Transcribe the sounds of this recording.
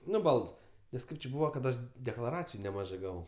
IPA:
ˈnʊ ˈbɐlˠts nʲɛs ˈkɐɪp t͡ʃʲɪ ˈbuːʋɐ kɐt ˈɐʃ dʲɛklˠɐˈrɑːt͡sʲɪjʊ nʲɛˈmɑːʒɜ ˈɡɑːʋɐʊ

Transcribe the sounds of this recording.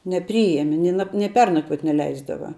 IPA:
nʲɛˈpʲrʲiːɛmʲɛ ˈnʲɪ nɐ nʲɪ ˈpʲɛrnɐkʋuɔt nʲɛˈlʲɛɪzdɐʋɐ

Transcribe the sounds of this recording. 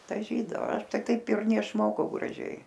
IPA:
dɐˈʒʲiːdɐoː ˈɐʃ ˈtɐɪ ˈtɐɪp ɪr nʲɛɪʃˈmoːkɐʊ ɡrɐˈʒʲɛɪ

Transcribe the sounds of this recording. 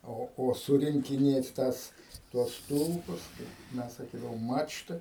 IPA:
ˈoː oː ˌsʊrʲɪŋʲkʲɪˈnʲeːt ˈtɑːs tuɔs ˈstʊlˠpʊs tɐɪ ˈmʲɛs sɐˈkʲiːdɐʋoːm ˈmɑːt͡ʃtɨɪ

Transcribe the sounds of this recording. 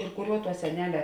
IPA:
ɪr ˈkʊˌrʲuɔ tuɔ sʲɛˈnʲæːlʲɛ

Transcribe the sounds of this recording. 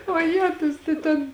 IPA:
oːˈjæːtʊs tɐɪ ˈtʲɛn

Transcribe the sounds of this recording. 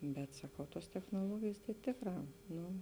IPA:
bʲɛt sɐˈkɐʊ ˈtuɔs tʲɛxnuɔˈlˠuɔɡʲeːjeːs tɐɪ ˈtʲeːkˌrɑː ˈnʊ

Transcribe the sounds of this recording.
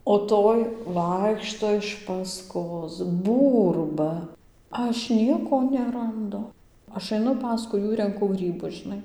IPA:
oː ˈtoːj ˈʋɐɪkʃtoː ɪʃ pɐˈskoːs ˈbuːrbɐ ˈɐʃ ˈnʲiɛkoː nʲɛrɐnˈdʊ ˈɐʃ ɐɪˈnʊ ˈpɑːskʊɪ ˈjuː rʲɛŋˈkʊ ˈɡrʲiːbʊs ʒʲɪˈnɐɪ

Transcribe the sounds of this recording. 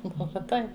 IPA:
oː ˈbʊʋɐ ˈtɐɪ

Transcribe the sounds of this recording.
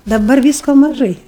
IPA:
dɐˈbɐr ˈʋʲiːskoː mɐˈʒɐɪ

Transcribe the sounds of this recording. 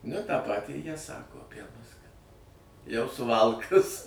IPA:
nʊ tɑː ˈpɑːtʲiː jiɛ ˈsɑːkoː ɐˈpʲiɛ mʊs kɐt jɛʊ sʊˈʋɐlˠkɐs

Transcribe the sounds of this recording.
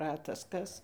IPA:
ˈrɑːtɐs ˈkɐs

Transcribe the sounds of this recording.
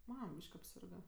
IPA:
ˈmɐm ˈbʲiːʃk ɐpʲˈsʲɪrɡɐ

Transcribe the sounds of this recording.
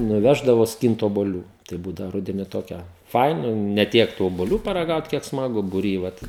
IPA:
nʊˈʋʲæːʒdɐʋoː ˈsʲkʲiːnt oːbuɔˈlʲuː tɐɪ ˈbuːdɐʋoː ˈrʊdʲɛnʲɪ ˈtoːkʲɛ ˈfɐɪnɐ nʲɛ ˈtʲiɛk tuː oːbʊˈlʲuː pɐrɐˈɡɐʊt kʲiɛk smɐˈɡʊ bʊˈrʲiː ˈʋɐt

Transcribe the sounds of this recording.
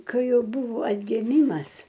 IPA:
ˈkɐɪ ˈjɛʊ ˈbʊʋoː ɐdʲɡʲɪˈmʲiːmɐs

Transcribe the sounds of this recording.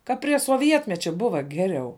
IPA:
kɐ pʲrʲiɛ soːˈʋʲiɛtʲmʲɛt͡ʃʲɛ ˈbʊʋɐ ˈɡʲæːrʲɛʊ

